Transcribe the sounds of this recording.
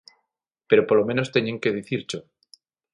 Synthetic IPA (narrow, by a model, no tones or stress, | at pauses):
pe̞ɾopolomẽ̞nost̪eɲeŋke̞ð̞iθiɾt͡ʃo